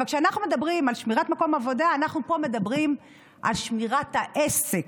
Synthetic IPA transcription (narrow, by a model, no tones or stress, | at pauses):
alkʃeanaχnume̞d̪abʁimalʃmiʁatmako̞mavo̞daːnaχnupo̞me̞d̪abʁim | ʔa̰lʃmiʁathaʔest͡sek